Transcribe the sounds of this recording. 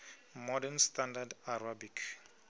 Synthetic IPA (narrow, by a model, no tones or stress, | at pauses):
mɔdɛnstandadaɾabikʰ